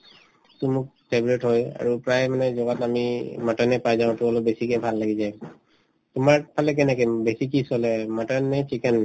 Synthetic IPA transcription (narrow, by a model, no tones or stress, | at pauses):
ksumʊk̚pʰebɹɛtɦoja̰ɹupɹajmanɛzɔɡatamimatanɛpajzaʊ̃tuɔlɔbesikɛjbʱalːaɡiza | tʊmaɹpʰalɛk̬ɛnɛkɛbesik̬isɔlɛmatanːɛt͡ʃikɛn